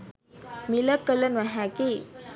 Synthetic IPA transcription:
miləkːələnʋaɦaki

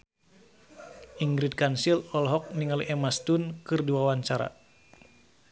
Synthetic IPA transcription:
ʔiŋɡɾid̪̚kansilɔlɦɔk̚niŋaliʔɛmast̪unkɨrduawaɲt͡ʃaɾa̰

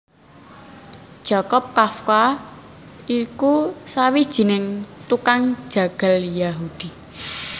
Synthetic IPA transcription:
d̥ʒ̥a̤kɔp̚kafka | ikusawid̥ʒ̥i̤nɪŋt̪ukaŋ̥ʒ̥ä̤ɡ̥a̤ljaɦud̪̥i̤

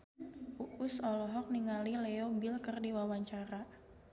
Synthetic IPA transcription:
ʔuʔusɔlɔɦɔk̚niŋalileobilkərdiwawaɲt͡ʃaɾa

